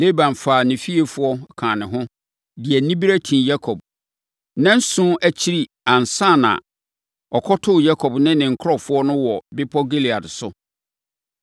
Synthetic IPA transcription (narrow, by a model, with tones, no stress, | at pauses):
le˦bã˨m˨faː˨nɪ̃˨fi˦e˨fʊ˦ɔ˦kʰãː˨nɪ̃˨ɦʊ̃˦ | dɪ˨ɛ˨nĩ˦bi˦ɾæ˦tʰĩ˨ja˦kʰɔ˨b̚ | nã˦n̩˦sʊ̃˦æ˦t͡ɕʰi˦ɾi˦ | ã˨n˨sã˦˨nã̰˨ | ɔ˨kʰɔ˦tʰʊ˦˨ja˦kʰɔ˨bnɪ̃˦nɪ̃˨ŋ̩˨˦kʰɾɔ˦fʊ˦ɔ˦nʊ̃˦wɔ˨bɪ˦pʰɔ˦ɡe˦li˨a˨dsʊ˦